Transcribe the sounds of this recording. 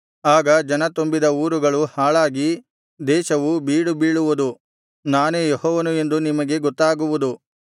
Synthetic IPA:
aːɡɐd͡ʒɐnɐt̪ombid̪ɐuːɾuɡɐɭuhaːɭaːɡi | d̪ɛːʃɐʋubiːɽubiːɭuʋud̪u | naːneːjehɔːʋɐnue̞nd̪unimɐɡe̞ɡɔt̪ːaːɡuʋud̪u

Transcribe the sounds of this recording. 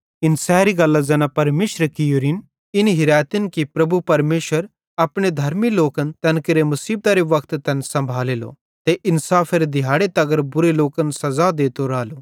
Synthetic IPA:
ɪnsɛːɾiɡɐlːazɐnapɐɾmeːʃɾəkɪjoːɾɪn | ɪnɦɪɾaːt̪ɪnkipɾɐbupɐɾmeːʃwəɾ | ɐpɽ̃ed̪ʱɐɾmiloːkənt̪ɐnkɪɾemɐsiːb̚t̪aɾeʋɐkʰt̪t̪ɐnsɐ̃mbʱaːleːlo̰ | t̪eʔɪnsaːfʰeɾed̪ɪjaːɽet̪ɐɡəɾbʊɾeloːkənsɐzad̪eːt̪oɾaːlo

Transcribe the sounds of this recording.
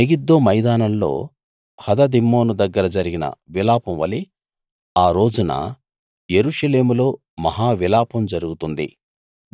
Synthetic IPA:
eɡid̪ːoːmɐjd̪aːnɐmlo̞̰ː | hɐd̪ɐd̪imːo̞ːnud̪ɐɡːɐɾɐd͡ʒɐɾiɡinɐ̰ʋilaːpɐmʋɐli | aːɾo̞ːd͡ʒunɐ̰ | jeɾuːʂɐle̞ːmulo̞ː | mɐɦaːʋilaːpɐmd͡ʒɐɾuɡut̪und̪ḭ

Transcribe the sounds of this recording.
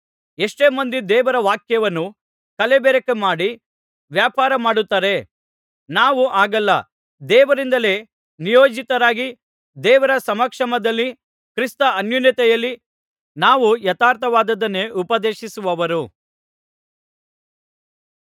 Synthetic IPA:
eʂʈe̞ːmɐnd̪id̪ɛːʋɐɾɐʋaːkjɐʋɐnːu | kɐlebeːɾɐkemaːɽi | ʋjaːpaːɾɐmaːɽut̪ːaːɾe̞ | naːʋuʔaːɡɐlːɐ | d̪ɛːʋɐɾind̪ɐle̞ː | nijoːd͡ʒit̪ɐɾaːɡi | d̪ɛːʋɐɾɐsɐmɐkʂɐmɐd̪ɐlːi | kɾist̪ɐɐnjunjɐt̪ɛjɐlːi | naːʋujɐt̪aːɾt̪ʰɐʋaːd̪ɐd̪ɐnːe̞ːʔupɐd̪eːʃisuʋɐʋɐɾu

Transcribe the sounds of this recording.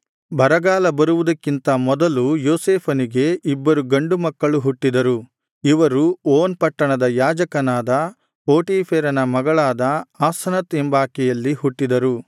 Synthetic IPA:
bʱɐɾɐɡaːlɐbɐɾuʋud̪ɐkːint̪ɐmɔd̪ɐlujoːseːpʰɐniɡe̞ʔibːɐɾuɡɐɳɖumɐkːɐɭuɦuʈːid̪ɐɾu | iʋɐɾuoːnpɐʈːɐɳɐd̪ɐjaːd͡ʒɐkɐnaːd̪ɐ | poːʈiːpʰeːɾɐnɐmɐɡɐɭaːd̪ɐaːsɐnɐt̪embaːkɛjɐlːihuʈːid̪ɐɾu

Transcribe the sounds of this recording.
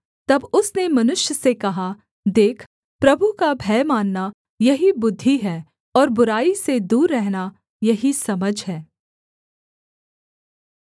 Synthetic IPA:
t̪ɐbʊsnemɐnʊʃjəsekɐɦa | d̪eːkʰ | pɾɐbʱukabʱɛːmaːnːa | jɐɦibʊd̪ʱːiɦɛː | ɔːɾbʊɾaːised̪uːɾːɛɦna | jɐɦisɐməd͡ʒʱɦɛː

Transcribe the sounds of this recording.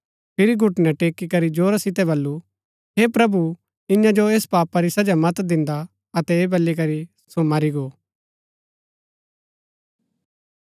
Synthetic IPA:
pʰɪɾiɡʱʊʈnɛʈeːkikɐɾid͡ʒoːɾasɪt̪ɛβɐlːu | ɦeːpɾɐbu | ɪ̃jãd͡ʒoeːspaːpaɾisɐd͡ʒamɐt̪d̪ɪ̃nd̪a | ɐt̪ɛeːbɐlːik̬ɐɾi | somaɾiɡoː

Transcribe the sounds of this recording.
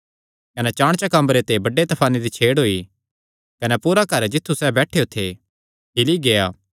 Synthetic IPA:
kɐnɛt͡ʃaːɽ̃t͡ʃakɐ̃mbəɾet̪ebɐɖːet̪ɐpʰaːnid̪it͡ʃʰeːɽɦoːi | kɐnɛpuːɾakɐɾd͡ʒɪt̪ʰːusɛbɛːʈʰeːot̪ʰe | ɦɪliɡejaː

